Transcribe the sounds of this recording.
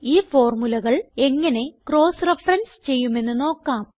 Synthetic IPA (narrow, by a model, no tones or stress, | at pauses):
iːfo̞ːrmulɐɣɐɭe̞ŋːɐne̞kro̞ːsrefrɐnst͡ɕe̞jːume̞nːɨno̞ːkːaːm